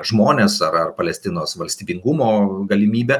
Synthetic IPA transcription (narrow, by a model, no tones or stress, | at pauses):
ʒmoːnʲeːsɐɾɐrpɐlʲɛsʲt̪ʲɪnoːsʋɐlʲsʲt̪ʲiːbʲɪŋɡʊmoːɡɐlʲɪmʲiːbʲɛ